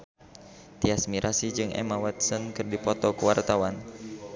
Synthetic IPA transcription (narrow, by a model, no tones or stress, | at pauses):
t̪iasmiɾʔasid͡ʒɨŋʔɛ̰mawɛt̪̚sənkɨrdipɔt̪ɔkuwart̪awan